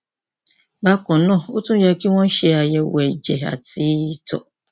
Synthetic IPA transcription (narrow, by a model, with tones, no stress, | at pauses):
ba˦kʊ̃˨˦nɔ̃˦˨o˦tũ˦ja˨˦ki˦wɔ̃˦n̩˦ʃɛ˦a˨jɛ˨wɛ˨d͡ʒɛ˨a̰˨ti˦tɔ̰˨